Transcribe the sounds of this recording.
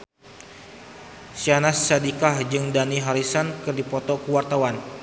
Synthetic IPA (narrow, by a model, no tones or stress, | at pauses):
sianasadikahd͡ʒɨŋdaniɦaɾisankɨrdipɔt̪ɔkəwart̪awan